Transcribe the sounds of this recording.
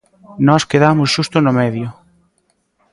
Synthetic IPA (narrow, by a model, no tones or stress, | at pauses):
nɔskeðamʊsʃust̪ʊnʊmɛðjʊ